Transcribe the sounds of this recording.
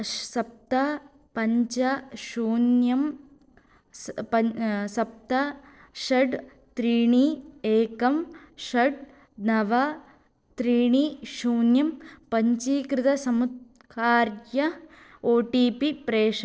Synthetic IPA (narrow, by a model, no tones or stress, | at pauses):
sɐp̚t̪ɐ | pɐɲt͡ʃɐʃuːnjɐm | spɐsɐp̚t̪ɐ | ʃɐɖ | t̪ɾiːɳieːkɐmʃɐɖ | nɐʋɐ | t̪ɾiːɳiʃuːnjɐmpɐɲt͡ʃiːkɾɪt̪ɐsɐmut̪̚ | kʰaːɾjɐ | oːʈiːpipɾeːʂɐ